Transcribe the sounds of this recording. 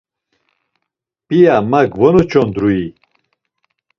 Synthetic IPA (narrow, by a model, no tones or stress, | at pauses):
pʼijamaɡvɔnɔt͡ʃʰɔnd̪ɾui